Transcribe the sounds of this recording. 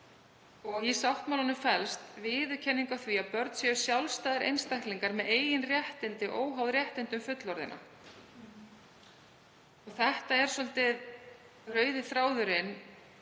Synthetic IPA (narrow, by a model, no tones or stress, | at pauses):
ɔɣisawht̪mawlɔnʏfɛlst̪vɪːðʏcʰɛnːiŋkawθviapœɾt̪sjɛʏsjawlst̪aːðɪɾʔḛjnst̪ajhk̪liŋkaɾmɛðeːjɪnrjɛht̪ɪnt̪ɪʔoːwɦawðɾjɛht̪ɪnt̪ʏmfʏt̪lɔɾðɪ̰nʔa̰ | ɔɣθɛht̪aɛɾ̥sɔlt̪ɪð | rœːɥðɪθɾaːwðʏɾɪn